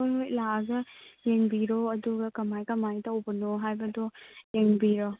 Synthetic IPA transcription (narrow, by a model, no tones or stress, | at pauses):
ojɦojlaɡɐjeŋbiɾɔɐduɡɐkɐmajkɐmajtɐwbɐnoɦajbɐdɔjeŋbiɾo